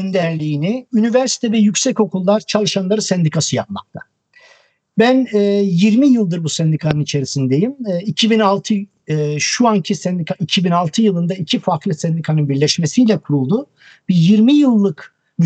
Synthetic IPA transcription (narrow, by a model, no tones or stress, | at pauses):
nd̪æɾlʲiːniynivæɾsi̥t̪ʰɛvɛjycsɛco̞kulˠːaɾt͡ʃʰalˠɯʃanlˠaɾɯsɛnd̪ikʰasɯjap̚ma̰k̚t̪ʰa | bænɛːjiɾmijɯlˠd̪ɯɾbusɛnd̪ikʰanɯnit͡ʃʰe̞ɾisind̪e̞jimːicʰibinalˠt̪ʰɯ | ʃuancʰisɛnd̪ikaicʰibinalˠt̪ʰɯjɯlˠɯnd̪aicʰifaɾklˠɯsɛnd̪ikʰanɯnbiɾlʲɛʃmesijlʲɛkʰuɾulˠd̪u | b̥ijiɾmijɯlˠːɯk